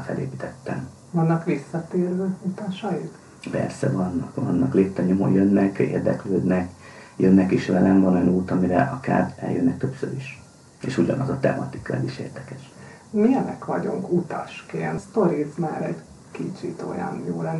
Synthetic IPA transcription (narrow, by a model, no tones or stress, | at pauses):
fɛleːpit̪ɛt̪ːɛm | ʋɒnːɒkʋisːɒt̪eːrʋɛut̪ɒʃɒjik̪ | pɛrsɛvɒnːɒkʋɒnːɒkleːt̪ːɛɲomo̰jønːɛkḛːrd̪ɛkløːd̪nɛkjønːɛkiʃʋɛlɛmvɒnojɒnuːt̪ɒmiɾɛʔɒka̰ːrɛ̰ljønːɛk̚t̪øpsøɾiʃ | ḛːʃuɟɒnɒzɒt̪ɛ̰mʔɒt̪ikɒɛziʃḛːrd̪ɛkɛʃ | mijɛnɛkʋɒɟuŋkut̪ɒʃkeːnt̪st̪o̞ɾismaːɾɛɟ | kit͡ʃit̪o̞̰jɒ̰njoːlɛnː